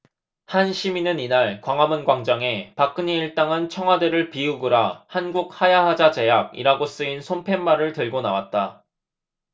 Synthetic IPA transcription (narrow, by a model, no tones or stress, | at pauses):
hanɕʰiminɯninaɭkwaŋɦamɯnɡwaŋd͡ʑʌŋe̞pak͈ɯɲiːɭt͈aŋɯnt͡ɕʰʌŋɦwadɯɾɯɭpiuɡɯɾahanɡuk̚hajaɦad͡ʑad͡ʑe̞jaɡ̚ḭɾaɡos͈ɯinsʰompʰe̞mːaɾɯɭtɯɭɡona̰wat̚t͈a